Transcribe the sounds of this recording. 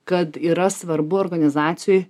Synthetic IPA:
kɐt̪iːɾɐsʋɐɾbʊoɾɡɐnʲɪzɑːt̪sʲɪjoj

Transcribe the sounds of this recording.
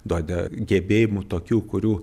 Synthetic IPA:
d̪uɔd̪ʲɛɡʲɛbʲeːjɪmut̪oːkʲuːkʊɾʲuː

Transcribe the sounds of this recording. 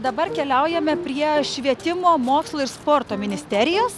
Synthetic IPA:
d̪ɐbɐɾkʲɛlʲɛʊjɛmʲɛpʲɾʲiɛʃʲʋʲiɛt̪ʲɪmoːmoːkslˠoɪɾspoːɾt̪oːmʲɪnʲɪsʲt̪ʲɛɾʲɪjoːs

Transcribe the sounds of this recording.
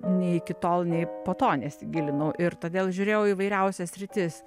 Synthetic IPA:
nʲɛɪkʲɪt̪oːlˠnʲɛɪpoːt̪oːnʲɛsʲɪɡʲɪlʲɪnɐʊʔɪɾt̪oːd̪ʲeːlˠʒʲʊɾʲeːjɛʊiːʋɐɪɾʲɛʊsʲɛssʲɾʲɪt̪ʲɪs

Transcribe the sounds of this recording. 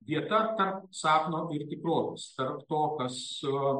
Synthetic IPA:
ʋʲiɛt̪ɐt̪ɐrpsɑːknoːʔɪɾt̪ʲɪkɾoːt̪ʲɛ̰st̪ɐrpt̪oːkɐs

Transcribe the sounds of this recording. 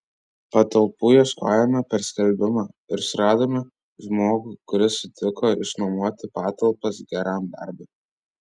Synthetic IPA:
pɐt̪ɐlˠpuːjɛʃko̰ːjɛmʲɛpʲɛɾsʲkʲɛlʲbʲɪmɑːɪɾsʊɾɑːd̪oːmʲɛ | ʒmoːɡʊːkʊɾʲɪsʊt̪ʲɪkoːɪʃnɐmuɔt̪ʲɪpɑːt̪ɐlˠpɐsɡʲɛɾɑˑmd̪ɐ̰ɾʲbʲɛ

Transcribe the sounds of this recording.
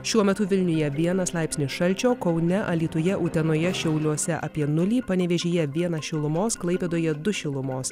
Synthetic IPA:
ʃʲuɔmʲɛt̪ʊʋʲɪlʲnʲʊjɛʋʲiɛnɐslˠɑɪpsnʲɪsʃɐlʲt͡ʃʲoːkɒʊnʲɛʔɐlʲiːt̪ʊjɛʔuːt̪ʲɛnoːjɛʃʲɛʊlʲuɔsʲɛʔɐpʲiɛnʊlʲiːpɐnʲɛʋʲɛʒʲeːjɛʋʲiɛnɐʃʲɪlˠʊmoːsklˠɐɪpʲeːd̪oːjɛd̪ʊʃʲɪlˠʊmoːs

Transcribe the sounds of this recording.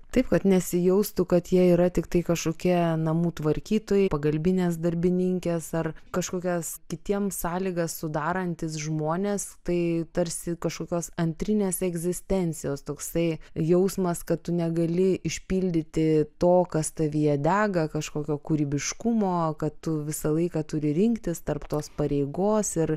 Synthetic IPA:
t̪ɐɪpkɐt̪nʲɛsʲɪjɛʊst̪ʊkɐt̪jiɛiːɾɐt̪ʲɪkt̪ɐɪkɐʃkoːkʲiɛnɐmuːt̪ʋɐɾʲkʲiːt̪oːjɛɪpɐɡɐlʲbʲɪnʲeːs̬d̪ɐɾʲbʲɪnʲɪŋʲkʲeːsɐrkɐʃkoːkʲɛskʲɪt̪ʲiɛmsɑːlʲɪɡɐssʊd̪ɑːɾɐnʲt̪ʲɪsʒmoːnʲeːst̪ɐɪt̪ɐɾʲsʲɪkɐʃkoːkʲoːsɐnʲt̪ʲɾʲɪnʲeːsɛɡzʲɪsʲt̪ʲɛnʲt͡s̪ʲɪjoːst̪oːksɐɪjɛʊsmɐskɐttʊnʲɛɡɐlʲɪɪʃʲpʲiːlʲd̪ʲɪt̪ʲɪt̪oːkɐst̪ɐʋʲijɛd̪ʲæːɡɐkɐʃkoːkʲoːkʊɾʲiːbʲɪʃkʊmoːkɐtt̪ʊʋʲɪsɐlˠɐɪkɐt̪ʊɾʲɪɾʲɪŋkt̪ʲɪst̪ɐrpt̪oːspɐɾʲeɪɡoːsɪr

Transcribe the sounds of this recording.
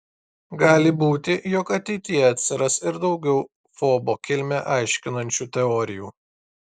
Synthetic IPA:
ɡɑːlʲɪbuːt̪ʲɪjɔkɐt̪ʲɛɪt̪ʲɪjɛɐt̪ʲsʲɪɾɐsɪɾd̪ɒʊɡʲɛʊ | foːboːkʲɪlʲmʲɛʔɑˑɪʃʲkʲɪnɐnʲt͡ʃʲuːt̪ʲɛɔːɾʲɪjuː

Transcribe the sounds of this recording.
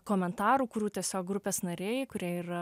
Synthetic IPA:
koːmʲɛnt̪ɑːɾuːkʊɾʲuːt̪ʲiɛsʲoːk̚ɡɾʊpʲeːsnɐɾʲeːjɪkʊɾʲiɛiɾɐ

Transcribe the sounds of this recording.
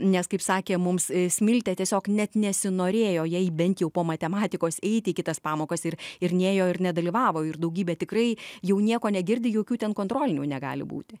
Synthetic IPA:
nʲɛskɐɪpsɑːkʲeːmʊmssʲmʲɪlʲt̪ʲɛt̪ʲiɛsʲoːknʲɛt̪nʲɛsʲɪnoːɾʲeːjoːjɛɪbʲɛnt̪jɛʊpoːmɐt̪ʲɛmɑːt̪ʲɪkoːsɛɪt̪ʲɪkʲɪt̪ɐspɑːmoːkɐsɪrɪɾnʲeːjoːɪɾnʲɛd̪ɐlʲiːʋɑːʋoːɪrd̪ɐʊɡʲiːbʲɛt̪ʲɪkrɐɪjɛʊnʲiɛkoːnʲɛɡʲɪɾʲd̪ʲɪjoːkʲuːt̪ʲɛnkoːnt̪ɾoːlʲɪnʲuːnʲɛɡɑ̰ːlʲɪ̰bṵːt̪ʲɪ

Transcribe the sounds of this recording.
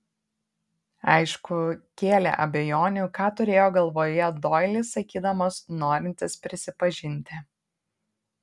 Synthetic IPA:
ɐɪʃkʊkʲeːlʲɛ̰ʔɐbʲɛjoːnʲukɑːt̪ʊɾʲeːjoːɡɐlˠʋoːjɛd̪oːɪlʲɪsɐkʲiːd̪ɐmosnoːɾʲɪnʲt̪ʲɪspʲɾʲɪsʲɪpɐʒʲɪnʲt̪ʲɪ

